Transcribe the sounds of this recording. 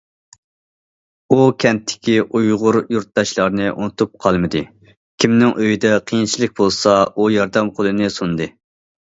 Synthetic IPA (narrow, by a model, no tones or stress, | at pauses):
ukʲʰɛnt̪ʰːɪ̥kʲiʔujʁʊɾjuɾt̪̚d̪ɑʃlˠɑɾnɨʔṵnɨt̪ʰup̚qʰɑlˠmɨd̪ɨ | kʲʰimnɪŋʔøjid̪ɛqʰijint͡ʃʰilɪk̚ʲbolˠsɑujɑɾd̪ɛmqʰolˠɨnɨsund̪ɨ